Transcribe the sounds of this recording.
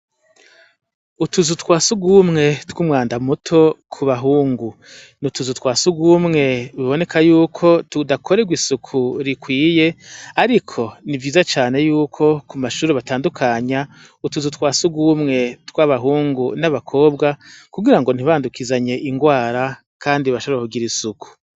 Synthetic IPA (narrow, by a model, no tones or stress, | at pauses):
utuzutwaːsuɡumŋe̞twuːmwaːndamutʰo̞kʰuβaɦuːŋɡu | nutuzutkwaːsuɡumŋe̞βiβo̞ne̞kʰajuːkʰo̞tudakʰoɾeɡwisukʰuɾikwiːje̞aɾikʰo̞nivɟiːzat͡ʃaːne̞juːkʰo̞kumaʃuːɾeβataːndukʰaɲa | utuzutwaːsuɡuːmŋe̞twaβaɦuːŋɡunaβakʰo̞ːb̚ɡakuɡiɾaŋɡo̞n̥iβaːndukizaɲe̞ʔiŋɡwaːɾa | kʰaːndiβaʃoβoɾakuɡiɾisukʰu̥